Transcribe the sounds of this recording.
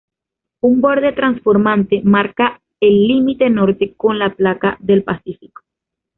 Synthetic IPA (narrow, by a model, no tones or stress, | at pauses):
umbo̞ɾðe̞t̪ɾansfo̞ɾmant̪e̞maɾka | elːimit̪e̞no̞ɾt̪e̞ko̞nlaplakaðe̞lpasifiko̥